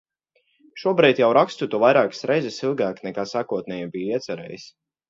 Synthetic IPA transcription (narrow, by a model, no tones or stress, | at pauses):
ʃuɔbɾiːt̪jawɾakst̪ut̪uɔvajɾaːkḁsɾɛjzɛsilˠɡaːknɛkaːsaːkuɔt̪̚nɛjɛbijiɛt̪sɛɾɛ̰ːjis